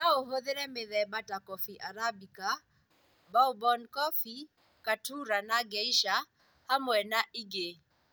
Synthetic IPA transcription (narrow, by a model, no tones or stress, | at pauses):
naoɦoðeɾɛmeðɛbatakɔfiʔaɾabika | baubɔnkɔfi | katuɾanaɡɛiʃa | hamwɛnaʔiɡe